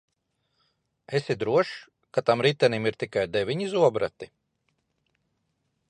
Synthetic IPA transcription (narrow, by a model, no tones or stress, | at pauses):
esid̪ɾuɔʃ | kat̪amɾit̪ɛnimiɾt̪ikajd̪ɛvʲiɲizuɔbɾat̪i